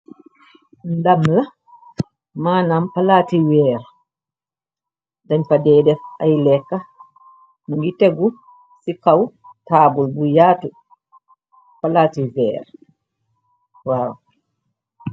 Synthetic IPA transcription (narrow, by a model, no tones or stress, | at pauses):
ndamla | maːnampalaːtiwɛːɾ | daɲfadɛːdɛfajlɛkːa | naŋɡitɛɡu | sikaw | taːbulbujaːtu | palaːtiwɛ̰ːɾ | waːw